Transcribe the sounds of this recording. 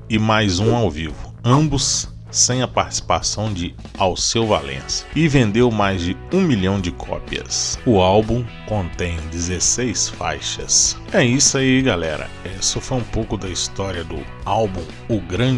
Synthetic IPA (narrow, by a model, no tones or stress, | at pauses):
ɪmajzũawvivʊ | ɐ̃bʊsː | ẽj̃ɐpaɾt͡ʃi̥si̥pasɐ̃w̃d͡ʒɪ | awsewva̰lḛ̃sʊ̥ɪvẽnd̪ewmajzd͡ʒɪ | ũmiʎɐ̃w̃d͡ʒɪkʰɔ̰piɐ̰sʊawbũkõnt̪ẽj̃d͡ʒɪzesejsfa̰jʃɐ̰s | ɛisaiɡalɛɾɐ̰ɛsofoũpowkʊd̪ɐist̪ɔɾiɐd̪ʊ̰ | awbũ | ʊɡɾɐ̃